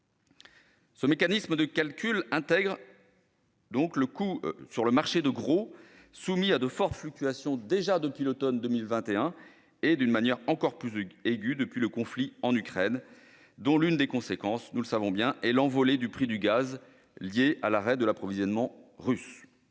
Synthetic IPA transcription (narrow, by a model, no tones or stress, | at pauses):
səmekanisməd̪əkalkʲʰylɛ̃t̪ɛɡʁ | d̪ɔ̃kləkusyʁləmaʁʃed̪əɡʁo | sumiad̪əfɔʁt̪flyk̚t̪yasjɔ̃d̪eʒad̪əpɥilot̪ɔnd̪əmilvɛ̃t̪eɛ̃ | ed̪ynmanjɛʁɑ̃kɔʁplyzeɡʲyd̪əpɥiləkɔ̃fliɑ̃nykχɛn | d̪ɔ̃lynd̪ekɔ̃sekɑ̃snuləsavɔ̃bjɛ̃ʔɛlɑ̃vɔled̪ypχid̪yɡaz | ljeʔalaʁɛd̪əlapχɔvizjɔnmɑ̃ʁys